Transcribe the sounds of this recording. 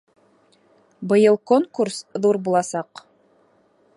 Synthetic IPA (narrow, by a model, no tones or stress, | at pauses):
bɤ̆jɤlˠkoŋkuɾsðuɾbulˠɑsɑq